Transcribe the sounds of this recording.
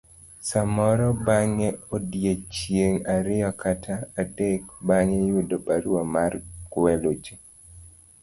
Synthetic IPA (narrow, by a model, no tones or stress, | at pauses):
samɔɾɔbaŋeodjet͡ʃjeŋaɾɪɔkʰatʰaːdek̚baŋejudopaɾwɔmarkwɛlot͡ʃe